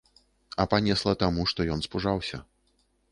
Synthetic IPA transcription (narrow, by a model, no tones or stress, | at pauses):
ɐpanʲɛslˠɐt̪amuʂt̪ɔjɔnspuʐawsʲɐ̰